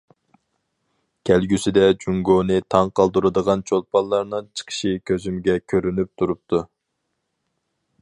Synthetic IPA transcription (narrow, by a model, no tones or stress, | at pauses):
kʲʰælɡʲysɪd̪ɛd͡ʒuŋɡonɨt̪ʰɑŋqʰɑlˠd̪uɾɨd̪əʁɑnt͡ʃʰolˠpʰɑlˠːɑɾnɨŋt͡ʃʰə̥qʰə̥ʃikʲʰøzymɡʲɛkʲʰøɾynyp̚t̪ʰuɾup̚t̪ʰu